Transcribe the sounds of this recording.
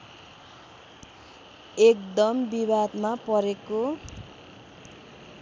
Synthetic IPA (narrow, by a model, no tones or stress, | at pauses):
ekd̪ʌmbibad̪mapʌɾeko